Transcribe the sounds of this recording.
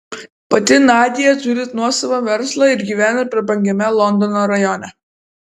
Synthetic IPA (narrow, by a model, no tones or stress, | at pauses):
pɐt̪ʲɪnɑːd̪ʲɪjɛt̪ʊɾʲɪt̪nuɔsɐʋoʋʲɛɾslˠɐɪɾɡʲiːʋʲæːnɐpʲɛɾbɐŋʲɡʲɛmʲɛlˠɔnd̪ɔnoɾɐjɔnʲɛ